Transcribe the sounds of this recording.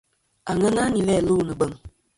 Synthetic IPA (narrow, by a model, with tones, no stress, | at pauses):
a˨ŋə˦ŋa˦ni˨lɛ˦˨lu˦˨nə˨bə˦˨ŋ